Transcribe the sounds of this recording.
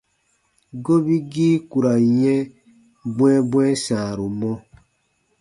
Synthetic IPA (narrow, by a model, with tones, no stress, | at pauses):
ɡo˦bi˦ɡiː˦ku˨ɾa˨jɛ̃˦ | bwɛ̃˦bwɛ̃˦sãː˨ɾu˨mɔ˦